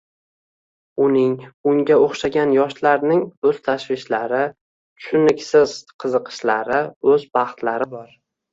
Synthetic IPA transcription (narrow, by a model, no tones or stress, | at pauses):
ʊnɪŋʊŋɡʲaoχʃaɡʲanjɒʃlaɾnɪŋɵz̥t̪ʰaʃvɪʃlaɾɪ | ʃʊnɪkʲsɪz̥qʰɨzɨqʰɨ̥ʃlaɾɪɵzbɑχt̪ʰlaɾɪbɒɾ